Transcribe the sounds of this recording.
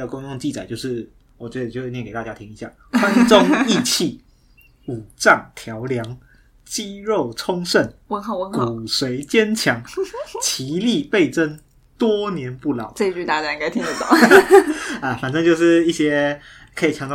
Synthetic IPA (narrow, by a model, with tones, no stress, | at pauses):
ə˨kʊ˥ŋjo˥˧ŋt͡ɕi˥˩t͡sa˨˩ɪt͡ɕjo˥˧ʊʂɻ̩˥˩ | wɔ˨˩t͡ɕɥɛ˧˥d̪ə˨˩jo˥˧we˥˧nɛ˥˨ke˨˩t̪a˥˧t͡ɕja˥t̪ʰi˥ŋi˧˥ɕja̰˥˩ | xwa˦nʈ͡ʂo˦ŋi˥˩˧t͡ɕʰi˥˩ | u˨˩ʈ͡ʂa˥˩nt̪ʰjɑ˨˦ʊljɑ˧˦ŋ | t͡ɕi˦˥ɻo˥˨˩ʊʈ͡ʂʰʊ˥ŋʂə˥˩nwə˧˥nxɑ˨˩wə˧˥ku˩˨˩swe˨˧˥ɪt͡ɕjɛ˦˥nt͡ɕʰjɑ˨˦ŋt͡ɕʰi˨˦li˥˧pe˥˩ɪʈ͡ʂə˦n | t̪wɔ˥njɛ˨˦npu˥˩lɑ˨˦ʊt͡sə˥˧i˧t͡ɕy˥˧t̪a˥˧˩t͡ɕa˥˧ĩ˧ŋka˥˨t̪ʰi˥ŋə˧t̪a˥˩˨ | ə˧fa˨˩nʈ͡ʂə˥˦ŋt͡ɕjo˥˧ʂɻ̩˥˧i˥˩ɕjɛ˦ | kʰə˧˥i˨˩t͡ɕʰɑ˧˦ŋt̪ɑ˥˧